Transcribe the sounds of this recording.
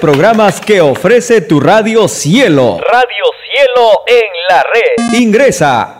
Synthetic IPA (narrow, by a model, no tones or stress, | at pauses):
pɾoɣɾamaskeofɾe̞set̪uraðjo̞sjelo̰raðjosjeloeŋlareðiŋɡɾe̞sa̰